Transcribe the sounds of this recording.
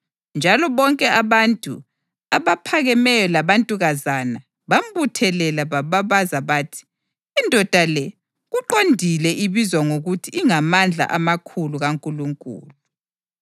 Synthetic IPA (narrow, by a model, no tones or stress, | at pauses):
nd͡ʒʱalɔβɔŋkʼɛaβantʼṵ | aβapʰaɣɛmɛjɔlaβantʼuɣazana | βambutʰɛlɛlaβaβaβazaβaːtʰi̥ː | ndʱɔd̥ʱalɛ | ɣuǃondʱilɛʔiβizwaŋoɣutʰiːŋamand͡ɮʱa̰ʔamakʰuluɣaŋkʼuluŋkʼṵːlu